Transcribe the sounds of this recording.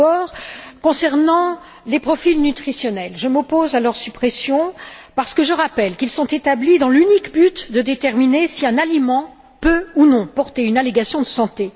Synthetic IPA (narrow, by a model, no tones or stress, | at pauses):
ɔʁkɔ̃sɛʁnɑ̃ | lepχɔfilnyt̪χisjɔnɛlʒəmɔpozalœʁsypχesjɔ̃paʁsə̥kəʒəʁapɛlkilsɔ̃t̪et̪ablid̪ɑ̃lynikbyt̪d̪əd̪et̪ɛʁminesiɛ̃nalimɑ̃ | pøunɔ̃pɔʁt̪eynaleɡasjɔ̃d̪əsɑ̃t̪e